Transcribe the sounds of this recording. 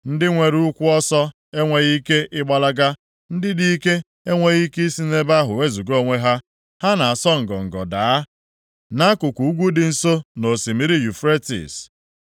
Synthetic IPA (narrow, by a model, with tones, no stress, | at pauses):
n̩˦dɪ˦ŋʷe˨ɾu˦kʷʊ˦ɔ˦sɔ˦ | e˦ŋʷe˨ɣi˦ke˦ʔɪ˦ɡ͡ba˦la˦ɡa˦ | n̩˦dɪ˦di˦ke˦ | e˦ŋʷe˦ɣi˦ki˦i˦si˦ne˦ba˦ɦʊ˨we˦zu˨ɡo˦˨ŋʷe˦ɦa˦ | ha˦na˨a˨sɔ˦ŋ̩˨ɡɔ̰˨ŋ̩˨ɡɔ̰˨da˨a˦ | na˦a˦kʊ˨kʷu˨u˦ɡʷu˦dɪ˨n̩˨so˦no˨si˨mi˦ɾi˦ju˨fɾe˦tḭ˨s